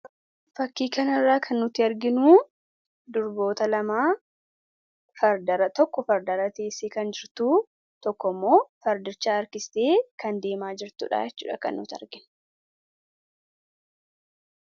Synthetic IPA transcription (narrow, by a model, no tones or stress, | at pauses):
fɐkːiːkɐnɐrːaːkʰɐnːʊt̪ːɪɐɾɡɪnuː | d̪ʊɾbo̞ːt̪ɐlɐmaː | fɐɾd̪ɐɾɐt̪ɔkːɔfɐɾd̪ɐɾɐt̪e̞ːsːeːkɐnd͡ʒɪɾt̪uː | t̪ɔkːɔmːo̞ːfɐɾd̪ɪɾt͡ʃːaːɐɾkɪsɪ̥t̪eːkɐnd̪e̞ːmaːd͡ʒɪɾt̪ṵːᶑa̰ːjɛt͡ʃːṵːᶑɐkɐ̰nːʊt̪ɪɐ̰ɾɡɪn